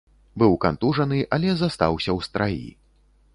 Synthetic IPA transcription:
bɨwkant̪uʐɐnɨʔalʲɛzast̪a̰wsʲɐwst̪ɾajḭ

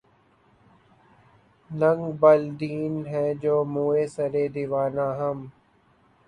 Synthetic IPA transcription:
nə̃ŋɡbəld̪iːnɦɛ̃ːd͡ʒoːmuːeːsəɾeːd̪iʋaːnãːɦəm

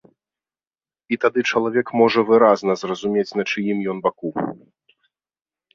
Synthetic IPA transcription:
it̪ad̪ɨt͡ʂɐlˠavʲɛkmɔʐɐvɨɾaznɐzrɐzumʲet͡sʲnɐt͡ʂɨjimjɔnbaku

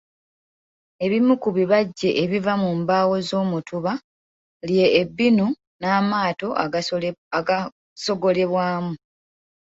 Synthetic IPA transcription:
e̞βimukuβiβaɟːe̞ʔeβivamuːmbaːwo̞zo̞ːmutʰuβa | lje̞ːbːinu | naːmaːto̞ʔa | so̞ɡo̞le̞βwaːmu

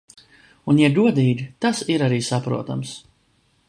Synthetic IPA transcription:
unjaduɔd̪iːɡʲit̪asiɾaɾiːsapɾṵɔt̪ams

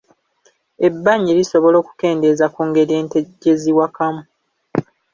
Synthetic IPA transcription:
e̞bːaɲiɾiso̞βo̞lo̞ːku̥ke̞ːnde̞zakuːŋɡe̞ɾijeːnteɟe̞ziwakamu

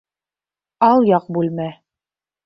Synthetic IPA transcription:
ɑlˠjɑq̚bʉlmæ

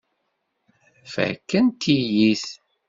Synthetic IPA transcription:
fæ̰kːənt̪ʰːijiθ

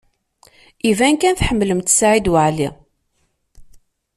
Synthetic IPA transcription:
ivænkænθħəmːləmt̪saʕid̪wəʕli

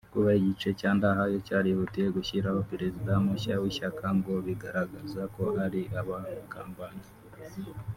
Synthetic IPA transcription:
kuβaiɟit͡ʃecaːndaɦajo̞caːɾihutieɡuʃiɾaho̞piɾe̞zidamuʃawiʃakʰaŋɡo̞βiɡaɾaɡazako̞ʔaɾiʔaβaukaːmbani

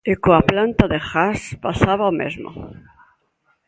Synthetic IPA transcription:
ekoaplant̪aðexaspasaβaomḛzmo̰

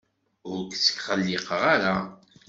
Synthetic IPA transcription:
ʊɾkt͡sːə̥kχəlːɪqəʁaɾa

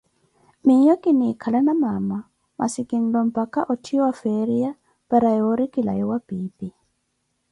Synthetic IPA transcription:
mijɔkinikʰalanamama | mʔa̰sikin̩lɔm̩pakaʔɔtʰiwafɛɾia | paɾajɔɾikila̰jɔwabiːbi

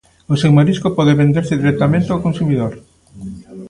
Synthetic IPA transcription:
osewmaɾiskopɔðeβend̪eɾsɪðiɾɛk̚t̪amẽnt̪eawkõnsumiðoɾ

